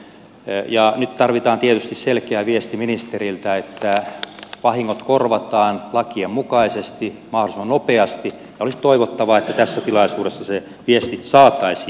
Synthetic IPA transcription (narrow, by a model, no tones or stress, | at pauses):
jɑnyt̪t̪ɑrʋit̪ɑːnt̪iet̪yst̪isselkeæʋiest̪iminist̪erilt̪æet̪ːæʋɑhiŋːot̪korʋɑt̪ɑːnlɑkiemmukɑisest̪imɑholismɑnopeɑst̪i | jɑolisi̥t̪oiʋot̪ːɑʋɑet̪ːæt̪æsːæt̪ilɑisuːɾesːɑse | ʋiest̪isɑːt̪ɑisi